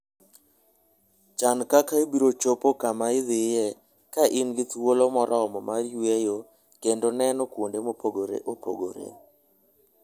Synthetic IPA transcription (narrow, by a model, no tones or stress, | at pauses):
t͡ʃankakaibiɾot͡ʃopokamaɪðɪjɛ | kaʔɪnɡɪt̪wolomɔɾʔɔɔmɔmaɾwejo | kendonɛnɔkwondemopʰoɡoɾḛʔopo̰ɡo̰ɾḛ